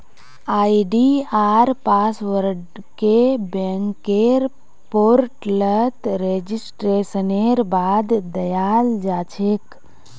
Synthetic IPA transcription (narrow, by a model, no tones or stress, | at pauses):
aːiɖiaːɾpaːsʋəɾɖ | kebeŋkːeɾ | poːɾʈlət̪ɾed͡ʒisʈɾeːsəneɾbaːd̪d̪əjaːld͡ʒaːt͡ʃʰek